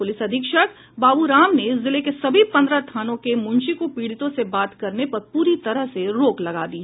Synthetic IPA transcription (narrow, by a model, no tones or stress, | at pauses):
pʊlɪsɐd̪ʱɪkʃək | baːbuɾaːmneɪszɪlekesɐbʱipɐ̃nd̪ɾət̪ʰaːnõkemʊ̃nʃikopiːɽɪt̪õsebaːt̪kɐɾnepɐɾpuːɾit̪ɐɾəɦseɾoːklɐɡa̰ːd̪iɦɛ